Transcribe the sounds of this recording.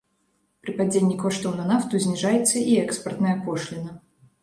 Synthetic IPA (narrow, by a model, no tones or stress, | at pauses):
pɾɨpad͡zʲenʲːikɔʂt̪ɐwnɐnaft̪uzʲnʲiʐajɛt̪sːɐʔiɛkspɐrt̪nɐjɐkɔʂlʲinɐ